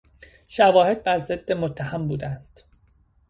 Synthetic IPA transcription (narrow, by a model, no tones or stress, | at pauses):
ʃævɒːhe̞d̪̚bæɾze̞d̪̥ːemot̪ʰːæhæmbuːd̪ænd̪̥